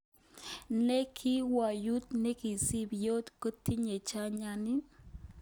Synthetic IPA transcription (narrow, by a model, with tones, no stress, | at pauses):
ne˦kʰi˦wa˨ju˦t̪̚nɛ˦ki˨si˦bjo˦tkə˦tʰi˦ɲe˨t͡ʃa˦ɲa˦ni˦